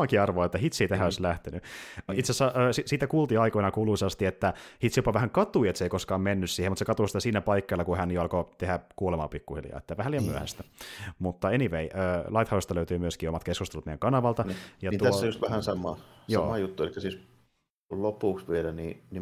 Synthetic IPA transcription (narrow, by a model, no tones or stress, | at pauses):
ɑkiɑrʋoːet̪ːæhit̪sit̪æɦæoislæht̪enyit̪sesɑʔøːsisiːt̪ækuːlt̪iɑikoinɑkuːluisest̪iet̪ːæhit̪sipɑʋæhæŋkɑt̪uiet̪seikoskɑːmmenːyssiːhemut̪sekɑt̪usit̪æsiːnæpɑikːɑjlːɑkuhænjoɑlkot̪ehækuolemɑ̰ːpikːuhḭljɑ̰ːet̪ːæʋæhælijɑmyøæ̰hæ̰st̪æmut̪ːɑeniʋeiʔøːlɑit̪hɑwest̪ɑløyt̪yːmyøskiːomɑt̪keskust̪elut̪mejæŋkɑnɑʋɑlt̪ɑjɑt̪ːuæosːjust̪ʋæhænsɑmɑjoɑːmɑjut̪ːuelikːæsiːs | lopuˑksʋielænḭni